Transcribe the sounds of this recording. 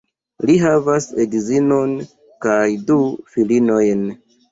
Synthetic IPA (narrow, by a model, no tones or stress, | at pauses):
liɦavasedizino̞n | kajdufilino̞jn